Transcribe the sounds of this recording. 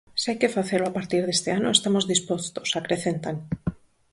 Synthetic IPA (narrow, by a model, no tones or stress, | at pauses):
seajkefaθeloapaɾt̪iɾð̞est̪eanoest̪amozðispost̪osakɾeθent̪aŋ